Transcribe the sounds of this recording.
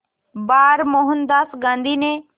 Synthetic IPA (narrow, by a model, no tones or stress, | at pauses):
baːɾmoɦənd̪aːsɡãːnd̪ʱine